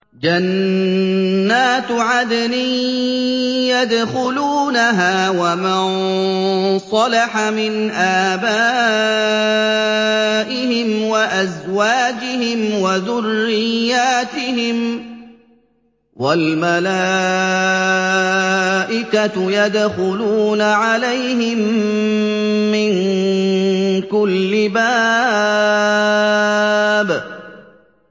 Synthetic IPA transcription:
d͡ʒan | aːt̪ʕad̪niː | jad̪xʊluːnaɦaːwaman | sˤɑlaħamɪnʔaːbaː | ʔɪhɪmwaʔazwaːd͡ʒɪhɪmwaðʊrːɪjːaːt̪ɪhɪm | walmalaː | ʔɪkat̪jad̪xʊluːnaʕalajhɪmmː | ɪŋ | kʊlːɪbaː | b

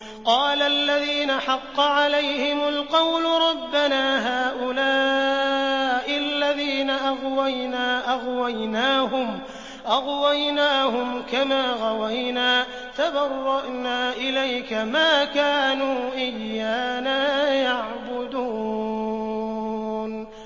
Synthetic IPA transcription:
qɑːlalːaðiːnaħɑqːɑʕalajhɪmʊlqɑwlʊɾˤɑbːanaːɦaːʔʊlaː | ʔɪalːaðiːnaʔɑɣwajnaːʔɑɣwajnaːhʊm | ʔɑɣwajnaːhʊmkamaːɣɑwajnaː | t̪abɑrˤːɑʔnaːʔɪlajkamaːkaːnuːʔɪjːaːnaːjaʕbʊd̪uː | n

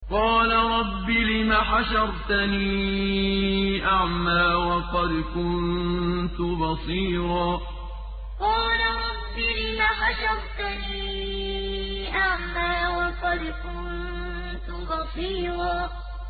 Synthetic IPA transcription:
qɑːlaɾˤɑbːilɪmaːħaʃɑɾˤt̪aniː | ʔaʕmaːwɑqɑd̪kʊnnt̪ʊbɑsˤiːɾˤɑː | qɑːlaɾˤɑbːilɪmaːħaʃɑɾˤt̪aniː | ʔaʕmaːwɑqɑd̪kʊn | t̪ʊbɑsˤiːɾˤɑː

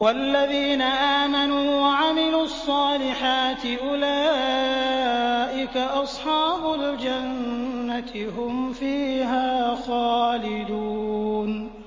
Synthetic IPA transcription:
walːaðiːnaʔaːmanuːwaʕamɪluːɑsˤːɑːlɪħaːt̪ɪʔʊlaː | ʔɪkaʔɑsˤħɑːbʊld͡ʒanːat̪ɪhʊmfiːɦaːxaːlɪd̪uːn

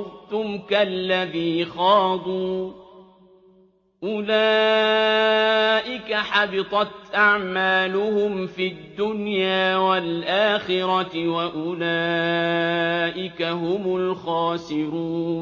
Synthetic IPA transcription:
ɣt̪ʊmkalːaðiːxɑːd̪ˤuː | ʔʊlaː | ʔɪkaħɑbɪt̪ˤɑt̪ʔaʕmaːlʊhʊmfid̪ːʊnjaːwalʔaːxɪɾɑwaʔʊlaː | ʔɪkaɦʊmʊlxɑːsɪɾuː

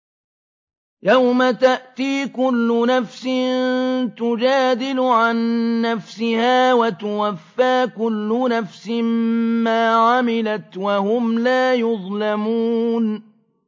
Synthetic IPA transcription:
jawmat̪aʔt̪iːkʊlːʊnafsɪnt̪ʊd͡ʒaːd̪ɪlʊʕanːafsɪhaːwat̪ʊwafːaːkʊlːʊnafsɪmmaːʕamɪlat̪wahʊmlaːjʊðˤlamuːn

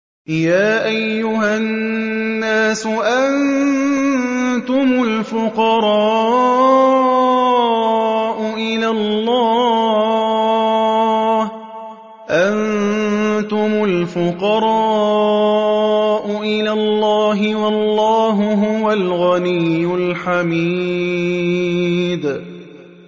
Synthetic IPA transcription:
jaːʔajːʊɦaː | aːsʊʔan | t̪ʊmʊlfʊqɑɾˤɑ | ʔʊʔɪlalːɑː | ʔan | t̪ʊmʊlfʊqɑɾˤɑ | ʔʊʔɪlalːɑːɦɪwɑlˤːɑːɦʊɦʊwalɣanijːʊlħami | d̪

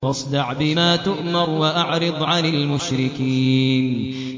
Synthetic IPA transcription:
wɑsˤd̪ɑʕbɪmaːt̪ʊʔmɑɾwaʔaʕɾɨd̪ˤʕanalmʊʃɾɪkiːn

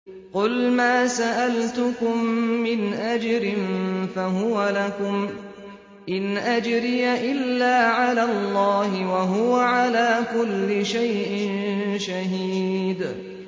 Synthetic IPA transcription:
qʊlmaːsaʔalt̪ʊkʊmːɪnʔad͡ʒɾɪnfaɦʊwalakʊm | ʔɪnʔad͡ʒɾɪjaʔɪlːaːʕalaːllˤːɑːhɪwaɦʊwaʕalaːkʊlːɪʃajʔɪnʃaɦiːd̪

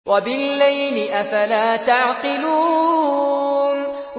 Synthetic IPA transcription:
wabɪlːajlɪʔafalaːt̪aʕqɨluː | n

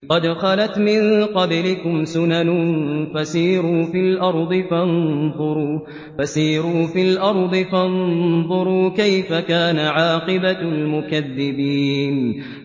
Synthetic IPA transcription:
qɑd̪xɑlat̪mɪnqɑblɪkʊmsʊnanʊfasiːɾuːfilʔɑɾˤd̪ˤɨfanðˤʊɾuː | fasiːɾuːfilʔɑɾˤd̪ˤɨfanðˤʊɾuːkajfakaːnaʕɑːqɨbalmʊkaðːɪbiːn

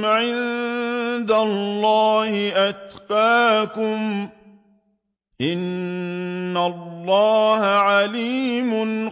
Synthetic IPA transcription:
ʕɪn | d̪alːɑːhɪʔat̪qɑːkʊm | ʔɪnː | alːɑːhaʕaliːmʊn

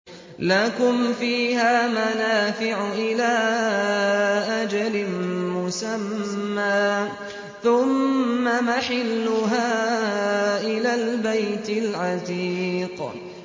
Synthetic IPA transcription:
lakʊmfiːhaːmanaːfɪʕʊʔɪlaː | ʔad͡ʒalɪmʊsamːaː | θʊmːamaħɪlːʊɦaː | ʔɪlaːlbajt̪ɪlʕat̪iːq

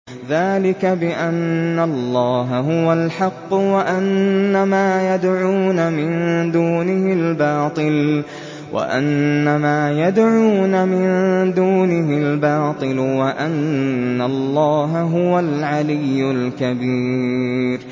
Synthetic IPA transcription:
ðaːlɪkabɪʔanːalːɑːɦaɦʊwalħɑqːwaʔanːamaːjad̪ʕuːnamɪnd̪uːnɪhɪlbɑːt̪ˤɨl | wʔa̰ʔa̰nːamaːjad̪ʕuːnamɪnd̪uːnɪɦɪlbɑːt̪ˤɨlwaʔanːalˤːɑːɦaɦʊwalʕalɪjːʊlkabiːɾ

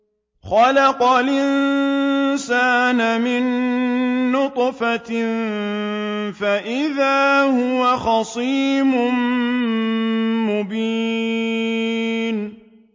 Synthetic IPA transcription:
xɑlɑqɑlʔɪn | saːnamɪnː | ʊt̪ˤfa | faʔɪðaːhʊwaxɑsˤiːmʊm | mʊbiː | n

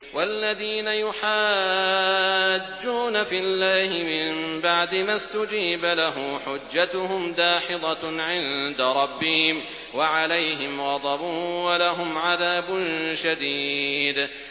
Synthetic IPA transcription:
walːaðiːnajʊħaː | d͡ʒːuːnafilːaːhɪmɪmbaʕd̪ɪmast̪ʊd͡ʒiːbalaɦʊmħʊd͡ʒːat̪ʊɦʊmd̪aːħɪd̪ˤɑʕɪnd̪aɾˤɑbːɪhɪm | waʕalajɦɪmɣɑd̪ˤɑbʊwalaɦʊmʕaðaːbʊnʃad̪iːd̪

